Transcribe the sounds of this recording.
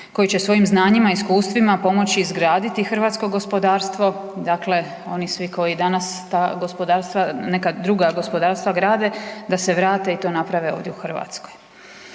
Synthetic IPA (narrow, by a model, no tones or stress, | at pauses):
ko̞jit͡ɕesʋo̞jimznaːɲimaiskuːst̪ʋimapo̞mo̞t͡ɕiːzɡɾaːd̪it̪ixr̩ʋaːt̪sko̞ɡo̞spo̞d̪aːɾst̪ʋo̞d̪akle̞ | o̞nisʋiko̞jid̪anast̪aːɡo̞spo̞d̪aːɾst̪ʋanekad̪ɾuɡaɡo̞spo̞d̪aːɾst̪ʋaɡɾaːd̪e̞d̪ase̞ʋɾaːt̪e̞it̪o̞ːnapɾaʋe̞o̞ːʋd̪jeuxr̩ʋa̰t̪sko̞j